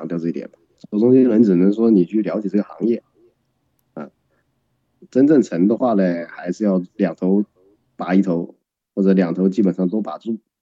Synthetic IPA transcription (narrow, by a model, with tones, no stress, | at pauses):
ŋt̪jɑ˥˧ʊʈ͡ʂɤ˥˩i˧˩t̪jɛ̰˨˩nbɐ˦˩˥ʊ˥ŋɕi˥lwə˧˥nʈ͡ʂɻ̩˨˩nə˧˥ŋʂwɔ˥ni˨˩t͡ɕʰy˥˩ljɑ˧˥ʊt͡ɕjɛ˨˩ʈ͡ʂɤ˥˩ɡə˩xɑ̰˧˥ŋjɛ˥˩ | ɐ̰˥˧ | ʈ͡ʂə˥nʈ͡ʂə˥˩ŋʈ͡ʂʰə˧˥ŋd̪ə˧xwa˥˩lə˩xa˧˥ɪʂɻ̩˥˧jɑ˥˩ʊljɑ˨˩ŋt̪ʰo˧˥ʊ | pa˨˥i˥˩t̪ʰo˧˥ʊ | xwɔ˥˩ʈ͡ʂɤ˧˩ljɑ˨˩ŋt̪ʰo˧˥ʊt͡ɕi˥pə˨˩nʂɑ˥˩ŋt̪o˥ʊpa˨˩ʈ͡ʂu˥˩